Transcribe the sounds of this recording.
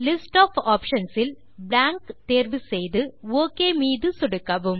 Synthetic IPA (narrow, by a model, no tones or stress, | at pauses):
lisʈoːfoːpʂɐnsil | bɾaːŋkt̪eːrʋɨsejðɨoːkːeːmiːðɨsuɽukːɐʋum